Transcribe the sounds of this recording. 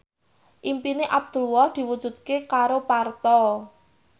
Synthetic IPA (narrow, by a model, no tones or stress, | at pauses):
ʔimpineʔab̚d̪̥ṳlwɔhd̪̥i̤wud̥ʒ̥ṳd̪̚kekaɾopart̪ɔ